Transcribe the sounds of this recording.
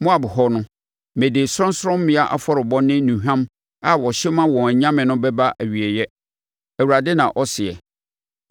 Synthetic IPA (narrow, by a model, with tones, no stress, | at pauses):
mʊ̃˦a˨bʊ˨hɔ˦nʊ̃˦ | mẽ˨de˨sʊ˦ɔ̃˦n˦sɾɔ̃˦m˦mɪ̃˦a˦ʔa̰˨fɔ˦ɾɪ˨bɔ̃˦nɪ̃˦nũ˨ɦᶣã˦m | a˨wɔ˨ɕɪ˦mã˦wɔ̃˨ɲã˦mɪ̃˨nʊ̃˦bɛ˦ba˦ʔæ˨ɥi˨e˨jɛ˦ | æ˨wu˨ɾa˨dɪ˦nã̰˨ʔɔ˦sɪ˨ɛ̰˨